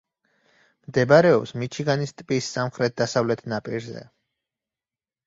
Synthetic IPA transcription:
md̪ɛbaɾɛɔpsmit͡ʃʰiɡanist̪ʼpʼisːamχɾɛt̪̚d̪asavlɛt̪ʰnapʼiɾzɛ̰

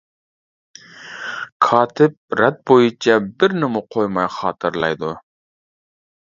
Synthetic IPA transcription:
kʰɑːt̪ʰɪp̚ɾæt̪̚bojut͡ʃʰɑbɪɾnɪmʊqʰojmɑjχɑːt̪ʰɨɾlˠɑ̰jd̪ʊ

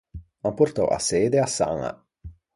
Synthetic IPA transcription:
mapoɾt̪ɔ̰ʔa̰sːeːd̪easːa̰ŋa̰

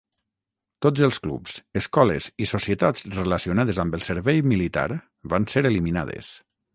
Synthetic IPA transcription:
t̪od͡zəlˠsklṵpz̥əskɔlə̰zisosiət̪ad͡zreləsiunaðəzambəlˠsəɾβɛjmilit̪a̰ɾ | βanseɾelimina̰ð̞ə̰s

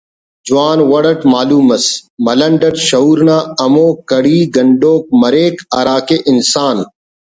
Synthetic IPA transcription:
d͡ʒʊwaːnwɐɽɐʈmaːluːmɐsmɐlɐɳɖɐʈʃɐɦuːɾnaːɐmoːkɐɽiːɡɐɳɖoːk̚mɐɾeːkɐɾaːkeːʔɪnsaːn

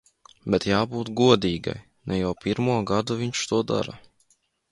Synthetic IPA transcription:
bɛt̪jaːbuːt̪ɡuɔd̪iːɡa̰j | nʔɛjawpʲiɾmuɔɡad̪uvʲiɲʲt͡ʃt̪uɔd̪a̰ɾa̰

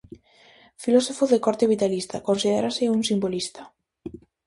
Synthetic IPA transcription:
filɔsofoðekɔɾt̪eβit̪alist̪akonsiðḛɾasɪuŋsimbolist̪ḁ

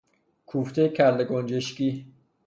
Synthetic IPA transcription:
kʰuːft̪ʰejcʰæɾleɡond͡ʒeʃkiː

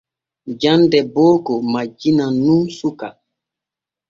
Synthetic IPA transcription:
d͡ʒãndɛboːkomad͡ʒinanumsuka

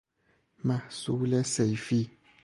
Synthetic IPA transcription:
masulɛsejfi

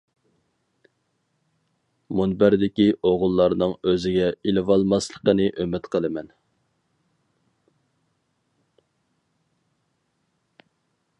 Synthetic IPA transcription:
munbæɾd̪ɪkʲiʔoʁʊlˠːɑɾnɨŋøzɪɡʲɛilɨwɑlˠmɑslˠəqənɨʔømɪt̪qʰəlˠɨmɛn

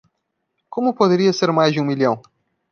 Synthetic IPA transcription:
kõmʊpod̪eɾiɐseɾmajzd͡ʒɪũmilɐ̃w̃

